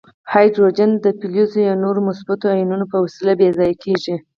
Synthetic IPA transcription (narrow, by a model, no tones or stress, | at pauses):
hɑjd̪ɾod͡ʒand̪əpiluzojawnoɾomʊsbat̪oajinunopəwasilabezɑjakʰeʒi